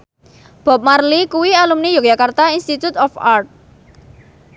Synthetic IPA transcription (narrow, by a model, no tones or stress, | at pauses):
b̥ɔ̤p̚marlikuwialumnijok̚jakart̪ainst̪it̪ut̪ɔfart̪̚